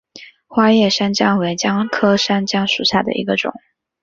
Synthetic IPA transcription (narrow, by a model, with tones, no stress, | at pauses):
xwa˥jɛ˥˩ʂa˥nt͡ɕjɑ˥ŋwe˧˥ɪt͡ɕjɑ˥ŋkʰɤ˥ʂa˥nt͡ɕjɑ˥ŋʂu˨˩ɕja˥˩d̪ə̰˩ʔḭ˧˥ɡə˧ʈ͡ʂʊ̰˨˩˦ŋ